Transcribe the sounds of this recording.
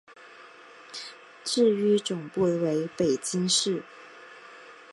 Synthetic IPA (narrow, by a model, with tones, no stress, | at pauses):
ʈ͡ʂɻ̩˥˩y˥ʈ͡ʂʊ˨˩ŋpu˥˩we˧˥ɪpe˨˩ɪt͡ɕi˥ŋʂɻ̩˥˩